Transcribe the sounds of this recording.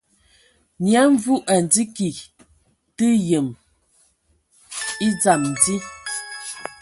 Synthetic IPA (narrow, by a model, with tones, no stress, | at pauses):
nja˨˦ɱ˦vu˦ʔa˨n˨d͡zi˦ki˨ | tə˦jə˨m | i˦d͡za˨mn˨di˦